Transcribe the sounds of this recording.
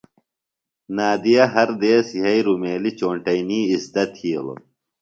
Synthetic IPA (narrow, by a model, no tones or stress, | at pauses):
naːd̪ijɐɦɐɾd̪eːsiɦɐjɾumeːlit͡ɕoːɳʈɐjniːisd̪ɐt̪hiːlo̰